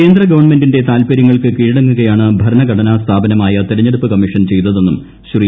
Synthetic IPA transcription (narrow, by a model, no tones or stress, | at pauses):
eːnd̪rɐɡɐʋɐɳme̞ndinde̞t̪aːlpɐɾjɐŋːɐɭkɨkiːɻɽɐŋːuɣɐjaːɳɨbʱɐɾɐnɐɡʱɐɽɐnast̪ʰaːbɐnɐmaːjɐt̪iɾɐɲːeɽupːɨkɐmːiʂɐnt͡ɕe̞jt̪ːɐðe̞nːum | ɕri